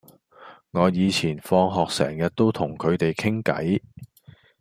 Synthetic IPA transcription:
ŋɔː˨˧jiː˨˧t͡sʰiː˨˩nfɔː˧ŋɦɔː˨k̚sɛ̰ː˨˩ŋjɐ˨t̚t̪o˥wt̪ʰʊ˨˩ŋkʰɵ˨˧ɥt̪e˨jkʰɪ˥ŋkɐ̰˨˥j

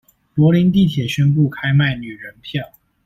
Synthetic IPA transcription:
lwɔ˧˥li˧˥nt̪̬i˥˩t̪ʰjɛ˨˩ɕɥɛ˥npu˥˩kʰa˥ɪma˥˩ɪny˨˩ɻə˧˥npʰjɑ˥˩ʊ

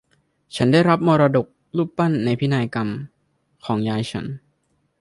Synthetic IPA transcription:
t͡ɕʰa˦˥nda˥˩jɾa˦˥p̚moː˧ɾaː˧do˨˩k̚ | luː˥˩p̚pa˥˩nːa˧jpʰi˦˥naː˧jka˧m | kʰɔː˩˦ŋjaː˧jt͡ɕʰa˧˦˥n

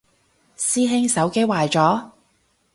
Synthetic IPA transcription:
siː˥ɦɪ˥ŋsɐ˨˥wke˥jwaː˨˩jt͡sɔː˨˥

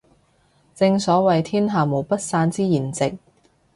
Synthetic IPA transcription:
t͡sɪ˧ŋsɔː˨˥wɐ˨jt̪ʰiː˥nɦaː˨mo˨˩wpɐ˥t̚saː˧nt͡siː˥jiː˨˩nt͡sɪ˨k̚

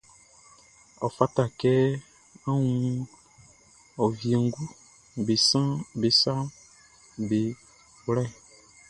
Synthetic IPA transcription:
ɔ˨fa˦ta˨kɛ˦ | a˦wũ˦ | ɔ˨vje˨ŋɡu˦ | be˨sã˦be˨sa˦ | be˨˦ | lɛ˦˨

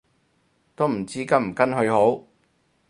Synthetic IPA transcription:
t̪o˥m̩˨˩t͡siː˥kɐ˥m̩˨˩kɐ˥nɦɵ˧ɥho˨˥w

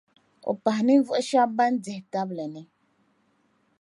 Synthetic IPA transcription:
o̰˨pa˨ɦni˦vu˦ʔʃa˦ba˦n˦d͡zɛ˨hta˦blɛ˨nɛ˨

